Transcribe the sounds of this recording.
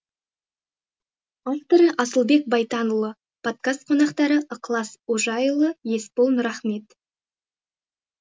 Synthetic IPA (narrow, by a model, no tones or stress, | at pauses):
ɑft̪əɾəʔɑsəlˠbe̞k̚bɑjt̪ɑnəlˠə | pʰo̞t̪̚kast̪̚qʰo̞nɑqt̪ɑɾəʔəqlˠɑsoʒɑjəlˠəje̞spolˠnʊɾɑχme̞t̪